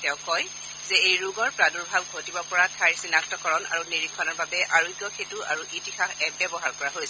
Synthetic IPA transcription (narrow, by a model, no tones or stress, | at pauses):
tɛʊ̃kɔj | zɛejɹuɡɔɹpɹaduɹbʱabɡʱotibɔpɔɹatʰaɹsinaktɔkɔɹɔna̰ɹuniɹikʰːɔnɔɹbabɛʔaɹuiɡjɔkʰetua̰ɹuʔitixaxɛbɛbɔɦaɹkɔɹaɦojsɛ